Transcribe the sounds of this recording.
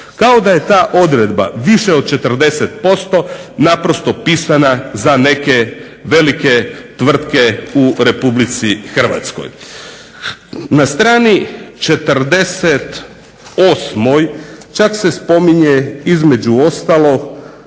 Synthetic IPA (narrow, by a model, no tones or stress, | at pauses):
kao̞d̪aje̞t̪aːʔo̞d̪ɾe̞d̪ba̰ʋiʃeo̞d̪̚t͡ʃe̞t̪r̩d̪e̞set̪̚po̞st̪o̞napɾo̞st̪o̞piːsanazane̞ke̞ | ʋe̞like̞t̪ʋr̩t̪ke̞uɾe̞publit̪sixr̩ʋa̰t̪sko̰j | nast̪ɾaːnit͡ʃe̞t̪rd̪e̞set̪ | osmo̞jt͡ʃakse̞spo̞miɲeizme̞d͡ʑuo̞st̪alˠo̞ɡ